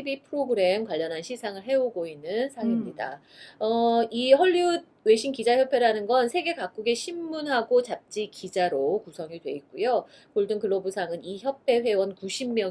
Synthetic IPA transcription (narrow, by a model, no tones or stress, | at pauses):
ibipʰɯɾoɡɯɾe̞mkwaʎːʌnɦanɕʰisʰaŋɯɭɦe̞oɡoinːɯnsʰaŋimɲida̰ | ʌihʌʎːiud̚we̞ɕʰimkid͡ʑaçjʌpʰe̞ɾɭɦanɯnɡʌnsʰe̞ɡe̞kak͈uɡe̞ɕʰimːunɦaɡot͡ɕap̚t͡ɕ͈ikid͡ʑaɾokusʰʌŋidwe̞̰it̚k͈ujo | koɭdɯŋkɯɭːobusʰaŋɯniçjʌpʰe̞ɸwe̞wʌnkuɕʰimːjʌ